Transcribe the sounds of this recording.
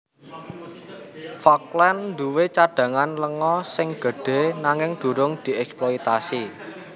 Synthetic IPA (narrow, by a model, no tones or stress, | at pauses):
fɔklɛnnd̪uwet͡ʃaɖ̥ä̤ŋanləŋɔsɪŋɡ̥ə̤ɖ̥e̤naŋɪŋd̪̥ṳɾʊŋd̪̥i̤ɛksploit̪asi